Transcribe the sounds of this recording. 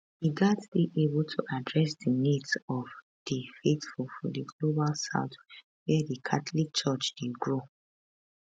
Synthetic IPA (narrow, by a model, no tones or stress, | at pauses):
hiɡatdiʔebultʰuʔadɹɛsdinitsɔv | d̥ifetfulfɔ̰diɡlobalsa̰ʊt | wɛdikʰatlik̚t͡ʃɔt͡ʃd̥idɡɹo